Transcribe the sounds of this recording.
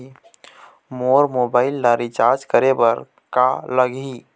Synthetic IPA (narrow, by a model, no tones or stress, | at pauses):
moːɾmobaːɪlːaɾit͡ʃaɾd͡ʒkəɾebəɾ | kaləɡi